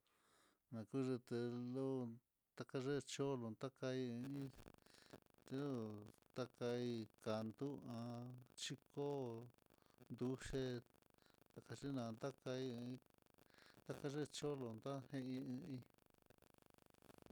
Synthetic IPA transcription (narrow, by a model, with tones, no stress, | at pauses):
nã˨ku˦ʐe˧t̪e˧lo˦ | t̪a˧ka˧ʐe˦˧t͡ʃo˦lo˧˨nt̪a˦ka˧i˧ɨ̃˧ĩ˦˨ | o˦t̪a˦ka˧i˧ka˨nd̪u˦ã˧t͡ʃi˦ko˦ | nd̪u˧ʂe˦ | t̪a˨ka˧ʐi˦nã˨˧nd̪a˦ka˧ĩ˧ĩ˧ | t̪a˦ka˧ʐe˦˧t͡ʃo˦lo˧nd̪a˦hẽ˦ĩ˧ɨ̃˧ĩ˧